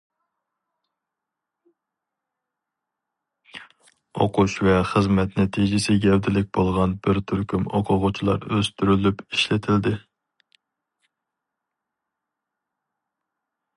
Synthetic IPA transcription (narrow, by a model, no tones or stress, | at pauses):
oqʰuʃvɛχəzmɛt̪nɛt̪ʰid͡ʒɪsɪɡʲɛwd̪ɪlɪk̚ʲbolˠʁɑnbɪɾt̪ʰyɾkʲymo̰qʰʊʁʊt͡ʃʰilˠɑ̰ɾøzt̪ʰyɾylypiʃlɪt̪ʰɪld̪ɪ